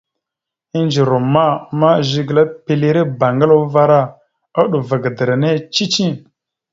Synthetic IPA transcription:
i˦nd͡ʒi˨ɾu˨mːa˦˨ma˦ʒi˨ɡla˦pe˨le˦ɾe˦ba˨ŋɡa˦la˦va˦ɾa˦ | a˦ɗu˨va˨ɡə˨də˨ɾa˨ne˦t͡ʃi˦t͡ʃi˦

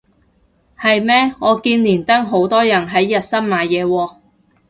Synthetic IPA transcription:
hɐ˨jmɛː˥ŋɔː˨˧kiː˧nliː˨˩nt̪ɐ˥ŋɦo˨˥wt̪ɔː˥jɐ˨˩nɦɐ˨˥jːɐ˨t̚sɐ˥nmaː˨˧jjɛː˨˧wɔː˧

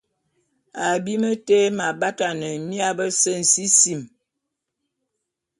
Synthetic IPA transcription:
a˨bi˦mə˦te˦ma˨ba˦ta˨nə˨mi˦a˦bə˦sə˦n̩˨si˦si˨m

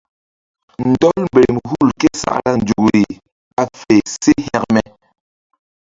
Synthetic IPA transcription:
n̩˨tɔ˦lm̩˨be˨mhu˦˨lkɛ˦sa̰˦˨ʔla˦n̩˨d͡ʒu˨kɾi˨ | a˨fɛ˨se˦ha˦k̚mɛ˨

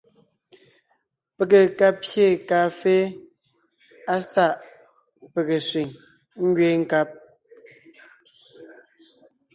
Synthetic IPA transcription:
pe˨ke˨ka˦pje˦˨kaː˨fe˦ | a˦sa˦˨ʔ | pe˨ɣe˨sɥi˨ŋ | ŋ̩˦ɡɥe˦ŋ̩˦ka˦p̚

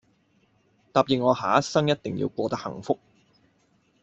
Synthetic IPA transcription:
t̪aː˨p̚jɪ˨ŋ̚ŋɔː˨˧haː˨ɐ˥sɐ˥ŋjɐ˥t̚t̪ɪ˨ŋjḭ˧wkʷɔː˧t̪ɐ˥hɐ̰˨˩ŋfʊ˥k̚

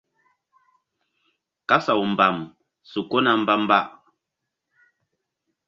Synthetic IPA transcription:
ka˦sa˨wu˨m̩˨ba˨m | su˨ko˦na˦˨m̩˦ba˦m˦ba˦ʔ

